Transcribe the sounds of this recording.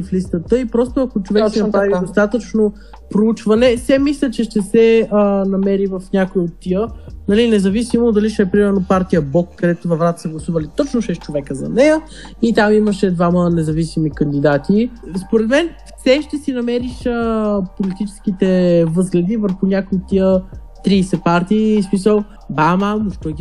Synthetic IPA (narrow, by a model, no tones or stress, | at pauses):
flist̪ət̪əipɾɔst̪oɐkot͡ʃovɛk̪inpɾavid̪ost̪at̪ət͡ʃno | pɾout͡ʃvɐnɛfsɛmislʲət͡ʃɛʃt̪ɛsɛnɐmɛɾivɐfnʲakoiot̪ːiənɐlinɛzɐvisimod̪ɐliʃɛpɾimɛɾnopaɾt̪ijəbɔkkːɐd̪ɛt̪ʊvɐvɾat̪ə̥səɡlˠɐsuvəlit̪ɔt͡ʃnoʃɛst͡ʃovɛkəzɐ̰nɛjə | it̪amiməʃɛd̪vamənɛzɐvisimikɐnd̪id̪at̪ispoɾɛt̪mɛnfsɛʃt̪ɛsinɐmɛɾiʃəpolit̪it͡ʃɛ̥sk̟it̪ɛvɤzɡlɛd̪ivəɾxʊnʲakoiot̪ːijə | t̪ɾiːsɛpaɾt̪iːsmisəlˠ | bamamoʃt̪ɔɡʲ